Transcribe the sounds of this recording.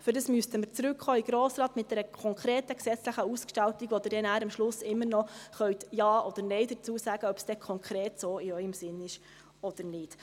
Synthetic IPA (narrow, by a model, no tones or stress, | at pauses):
fʏɾdəsmyəstəməɾt͡sɾʉkχɔːɪɡ̥ɾɔːsɾɑːt̪mɪt̚d̥̪ɛɾəkʰɔŋkɾeːtəksɛt͡sləχəuskʃtɑltiɡʋod̪əd̥ɛnæːɾɑmʃlʊsɪmːənɔχœɥtjɑːɔd̥̪əɾnɛɪd̪ət͡suːəsæːɡ̥əœb̥sd̥ɛkʰɔŋkʰɾeːtsoːɪœʏəmsɪnːɪʃ | ɔd̥̪əɾnɪt